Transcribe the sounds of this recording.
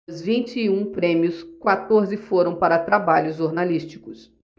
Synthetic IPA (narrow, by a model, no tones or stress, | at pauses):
zvĩnt͡ʃɪːũpɾẽmiʊskwat̪oɾzɪfoɾɐ̃w̃paɾɐt̪ɾabaʎʊzʒoɾnalist͡ʃi̥kʊs